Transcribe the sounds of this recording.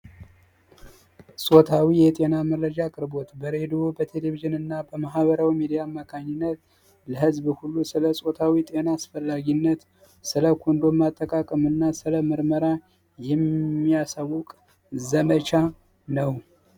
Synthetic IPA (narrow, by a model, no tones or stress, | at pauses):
sʼo̞t̪ʰawijɛt̪ʼe̞naməɾːəd͡ʒakʼɨɾbo̞t̪bəɾe̞d̪obət̪ʰe̞le̞viʒɨnɨnːabəmaɦβəɾawimed̪ijamːakʰaɲːɪnːət̪ | ləɦɨzbhulːusɨləsʼo̞t̪ʰawit̪ʼe̞naːsfəlːaɡinːət̪ | sɨləkʰond̪o̞mat̪ʼːəkʼakʼəmɨnːasɨləməɾməɾa | jɛmːijasawʊkʼ | zəmət͡ʃa | nəw